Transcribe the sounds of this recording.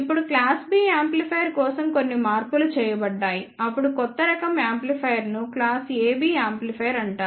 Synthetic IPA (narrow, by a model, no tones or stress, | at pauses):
ipːuɽuklaːsbiːaːmplipʰɐjɐɾkɔːsɐmko̞nːimaːɾpulut͡ʃɛːjɐbɐɖːaːjiɐpːuɽukɔt̪ːɐɾɐkɐmaːmplipʰɐjɐɾnuklaːseːbiːaːmplipʰɐjɐɾɐɳʈaːɾ